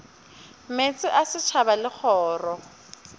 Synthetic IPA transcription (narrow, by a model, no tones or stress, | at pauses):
met͡sʼɪʔasɪt͡ʃʰabalɪk͡xʰɔːrɔ